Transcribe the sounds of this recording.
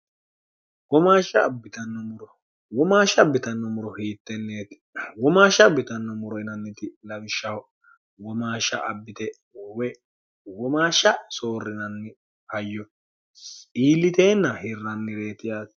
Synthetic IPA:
wɔmaːʃɐːbːɪt̪ɐnːɔmʊɾɔ | wɔmaːʃɐbːɪt̪ɐnːɔmʊɾɔhiːt̪ːɛnːeːt̪ɪ̥ | wɔmaːʃɐbːɪt̪ɐnːɔmʊɾɔɪnɐnːɪt̪ɪlɐwɪʃːɐw | wɔmaːʃɐ̰ʔɐ̰bːɪt̪ɛ | wɛ | wɔmaːʃɐso̞ːrːɪnɐnːɪ | hɐjːɔ | iːlːɪt̪e̞ːnːɐhɪrːɐnːɪɾe̞ːt̪ɪjaːs

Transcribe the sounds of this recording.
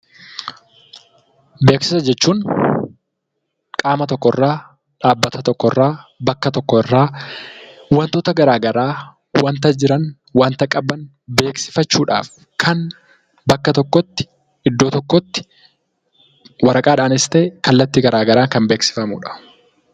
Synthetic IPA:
be̞ːksɪsɐd͡ʒɛt͡ʃːuːn | kʼaːmɐt̪ɔkːɔɪrːaː | ᶑaːbːɐt̪ɐt̪ɔkːɔrːaːbɐkːɐt̪ɔkːɔɪrːaː | wɐnt̪oːt̪ɐɡɐɾaːɡɐɾaː | wɐnt̪ɐd͡ʒɪɾɐn | waːnt̪ɐkʼɐbɐn | be̞ːksɪ̥fɐt͡ʃːuːᶑa̰ːf | kʰɐn | bɐkːɐt̪ɔkːɔt̪ːɪ̥ | ɪd̪ːoːt̪ɔkːɔt̪ːɪ̥ | wɐɾɐkʼaːᶑaːnɪst̪eːkɐlːɐt̪ːɪɡɐɾaːɡɐɾaːŋkɐmbeːksɪ̥fɐmṵːᶑɐ̥

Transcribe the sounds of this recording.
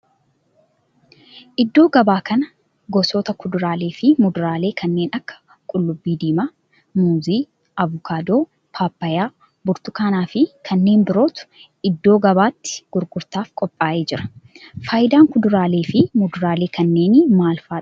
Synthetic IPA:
ʔɪd̪ːo̞ːɡɐbaːkɐnɐ | ɡɔsoːt̪ɐkʊd̪ʊɾaːle̞ːfɪmʊd̪ʊɾaːle̞ːkʰɐnːe̞ːnɐkːɐ̥ | kʼʊlːʊbːiːd̪iːmaː | muːziː | ɐvʊkʰaːd̪oː | pʰaːpːɐjaː | bʊɾt̪ʊkaːnaːfɪkʰɐnːe̞ːnbɪɾo̞ːt̪ʊ̥ | ɪd̪ːo̞ːɡɐbaːt̪ːɪ̥ɡ̥ʊɾɡʊɾt̪aːfkʼɔpʼːaːʔeːd͡ʒɪɾɐ̥faːjɪd̪aːŋkʊd̪ʊɾaːleːfɪmʊd̪ʊɾaːle̞ːkɐnːe̞ːnmaːlfaː

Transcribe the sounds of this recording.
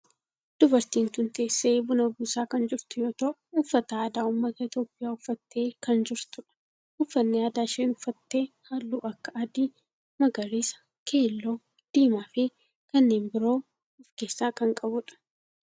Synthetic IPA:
d̪̥ʊbɐɾt̪iːnt̪ʊnt̪eːsːeːbʊnɐbuːsaːkɐnd͡ʒɪɾt̪ʊjoːt̪ɐʔʊʊfːɐt̪ɐaːd̪aːʊmːɐt̪ɐɪt̪jo̞ːpʼːɪjaːʊfːɐt̪ːe̞ːkɐnd͡ʒɪɾt̪ʊᶑɐ̥ | ʊfːɐnːɪaːd̪aːʃeːnʊfːɐt̪ːe̞ː | hɐlːuːʔɐkːɐɐd̪iː | mɐɡɐɾiːsɐ̥ | kʰeːlːoː | d̪̥iːmaːfe | kɐnːeːnbɪɾo̞ː | ʊfke̞ːsːaːkɐŋkʼɐbʊᶑɐ̥

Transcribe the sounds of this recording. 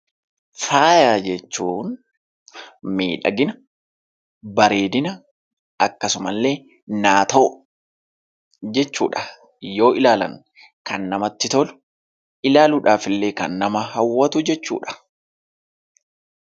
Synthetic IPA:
faːjaːd͡ʒɛt͡ʃːuːn | miːᶑɐ̰ɡɪnɐ | bɐɾeːd̪ɪnɐ | ɐkːɐsʊmɐlːe̞ː | naːt̪o | d͡ʒɛt͡ʃːuːᶑɐ̥ | jo̞ːɪlaːlɐ̰ŋ | kɐnːɐmɐt̪ːɪt̪ɔlʊ̥ | ʔɪlaːlʊᶑaːfɪlːe̞ːkɐ̰nːɐmɐhɐwːɐt̪ʊd͡ʒɛt͡ʃːṵːᶑɐ̥

